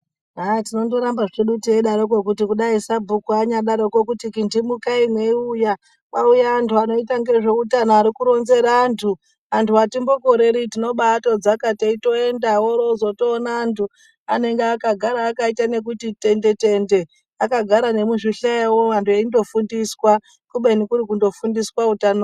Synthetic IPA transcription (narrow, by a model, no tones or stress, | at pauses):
ɦatino̞ndo̞ɾambaʐeɗutieɗaɾok̬okutikuɗaisabʱukuaɲaɗaɾo̞kokutikindimukainweuja | waujaːntʰuano̞itaŋɡe̞ʐe̞utanaːɾikuɾo̞nze̞ɾaːntʰu | antʰuatimbo̞ko̞ɾe̞ɾitino̞ɓato̞d͡zakateito̞e̞ndawoɾozoto̞ːnaːntʰu | ane̞ŋɡeakaɡʱaɾaːkaitane̞k̬utite̞nde̞te̞nde̞ | akaɡʱaɾane̞muʐiɬeewoʋantueindo̞fundiswa | kuɓenikuɾik̬undo̞fundiswautano